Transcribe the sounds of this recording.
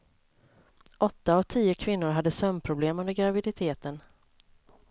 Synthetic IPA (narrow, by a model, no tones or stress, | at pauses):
ʔɔt̪ːaɔvt̪ʰiːʊkʰvɪnːʊɾɦad̪ːəsœmpʰɾʊbleːmɵnd̪əɾɡɾavɪd̪ɪt̪ʰeːt̪ən